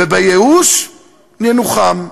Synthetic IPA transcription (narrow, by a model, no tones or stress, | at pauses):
ebajeuʃ | nenuχam